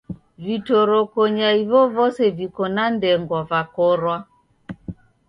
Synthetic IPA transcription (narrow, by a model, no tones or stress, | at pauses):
vitɔɾɔkɔɲaiβɔvɔsɛvikɔnandɛŋɡwavakɔɾwa